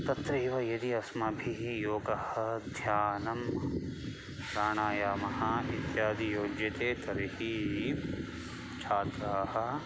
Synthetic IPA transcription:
t̪ɐt̪ɾɐʋɐjɐd̪iɐsmɐbʱiɦijoːɡɐhɐd̪ʱjaːnɐm | ɾaːɳaːjaːmɐhɐit̪jaːd̪ijoːd͡ʒɐt̪eːt̪ɐɾihi | t͡ʃʰaːt̪ɾaːhɐ̆

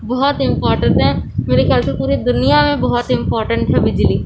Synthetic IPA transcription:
bɔɦɔt̪ɪ̃mpɔːɾʈə̃ɳʈɦɛmeːɾexejaːlsepuːɾed̪ʊnijamẽbɔɦɔt̪ɪ̃mpɔːɾʈə̃ɳʈɦɛbɪd͡ʒliː

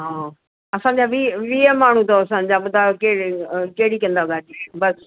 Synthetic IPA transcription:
ɦãː | əsãːd͡ʒaːʋiʋiːɛːmaːɳ̤̃ũːt̪õːəsãːd͡ʒaːbt̪aːkeːkeːɽiːkə̃nd̪aɦoɡaːd͡ʒibəs

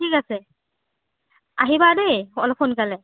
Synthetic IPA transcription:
tʰikasɛ | aɦibadejɔlɔpʰonkalɛ

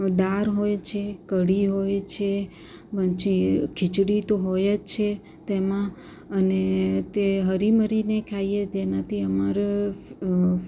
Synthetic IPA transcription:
d̪aɾɦojt͡ʃʰekəɽiɦojt͡ʃʰe | pət͡ʃʰikʰɪt͡ʃɽit̪oɦojet͡ʃʰe | t̪emã | ənet̪eɦəɾiməɾinekʰajed͡ʒenat̪ʰiəmaɾe

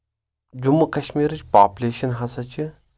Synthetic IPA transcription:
d͡ʒumːɐkɐɕmiːɾɨt͡ʃpaːpʲulʲeːʃɐnɦɐsɐt͡ʃi

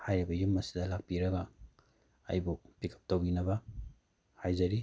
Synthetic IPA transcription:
hajɾibɐjumːɐsi̥dɐlak̚piɾɐɡɐ | ajbupikʰɐ̥p̚towinɐbɐ | hajzɐɾi

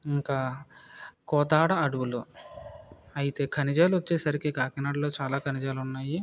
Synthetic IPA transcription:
iŋkaː | kɔːt̪aːɽɐɐɽuʋulu | ɐjit̪e̞ːkʰɐnid͡ʒaːluʋɐt͡ʃːeːsɐɾikikaːkinaːɽlo̞ːt͡ʃaːlaːkʰɐnid͡ʒaːlunːaːji

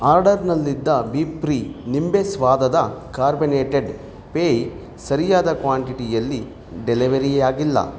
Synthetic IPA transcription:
aːɾɖɐɾnɐlːid̪ːɐbiːpɾiːnimbesʋaːd̪ɐd̪ɐkaːɾbineːʈeɖ | peːj | sɐɾijaːd̪ɐkʋaːɳʈiʈijɐlːi | ɖeliʋɐɾiaːɡilːɐ̰

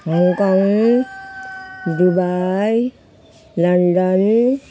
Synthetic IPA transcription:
ɦɔŋkɔŋ | dubaj | lʌnɖɔn

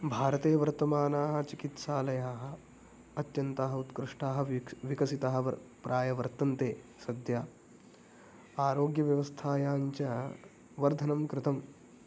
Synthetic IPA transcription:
bʱaːɾɐt̪eːʋɐɾt̪ɐmaːnaːɦɐ̆t͡ʃikit̪saːlɐjaːɦɐ̆ | ɐt̪jɐnt̪aɦɐut̪kɾɪʂʈaːɦɐ̆ʋikɐsit̪aːɦɐ̆ɐ̰pɾʔaːjɐʋɐɾt̪ɐnt̪eːsɐd̪jaː | aːɾoːɡjɐʋjɐʋɐst̪ʰaːjaːɲt͡ʃɐ | ʋɐɾd̪ʱɐnɐmkɾɪt̪ɐm

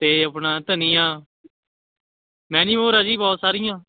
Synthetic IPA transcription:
t̪eːəpnãːt̪ənĩːãː | mɛ̃ːnĩːmoːɾaːd͡ʒiːbɔːt̪saːɾɪjãː

